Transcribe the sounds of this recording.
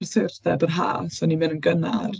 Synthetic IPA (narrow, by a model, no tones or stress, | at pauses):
rsɪrθɛbənɦa̰ːsɔnivɪnənɡəna̰r